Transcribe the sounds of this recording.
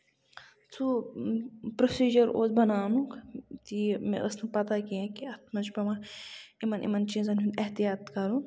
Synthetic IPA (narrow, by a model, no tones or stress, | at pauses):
t͡sʰu | pɾosiːd͡ʒɐɾo̰ːt͡sbɐnaːnukt̪imḛʔəsnɨpɐt̪akijãːkiɐt̪ʰmɐnt͡ʃbɐmaimɐnʔḭmɐnt͡ʃizɐnɦuneht̪ijaːt̪kɐɾũ